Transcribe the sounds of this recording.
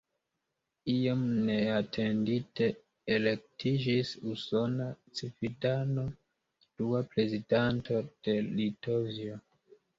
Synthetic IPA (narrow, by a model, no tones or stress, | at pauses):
iamne̞atʰe̞ndite̞ː | le̞k̚tʰid͡ʒisuso̞nat͡sifidano̞ | d̥uapɾe̞zidanto̞d̥e̞litovio